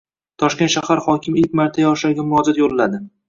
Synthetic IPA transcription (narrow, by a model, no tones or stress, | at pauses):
t̪ʰɒʃk̪ʲʃahaɾhɒkʲʰɪmɪlkʲmaɾt̪ʰajɒʃaɾɡʲamʊɾɒd͡ʒat̪jollad̪ɪ